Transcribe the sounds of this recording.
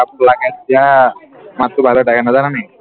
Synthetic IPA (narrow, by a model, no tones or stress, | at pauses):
apəɾlaɡat̪̚ːja | mat̪ːɾubʱaloʈakanad͡zananaj